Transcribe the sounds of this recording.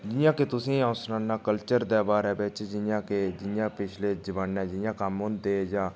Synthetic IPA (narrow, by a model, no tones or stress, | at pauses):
d͡ʒɪjãːket̪ʊsĩːãːʊsnãːnːãːkəlt͡ʃəɾd̪ɛːbaːɾɛːbɪt͡ʃd͡ʒɪjãːked͡ʒɪjãːpɪt͡ʃʰleːd͡ʒəʋaːnɛ̃ːd͡ʒɪjãːkəmɦʊ̃nd̪eːd͡ʒãː